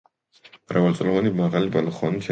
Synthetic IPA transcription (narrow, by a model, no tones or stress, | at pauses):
mɾavalt̪sʼlɔvanimaʁalibalɔχɔnit̪ʰ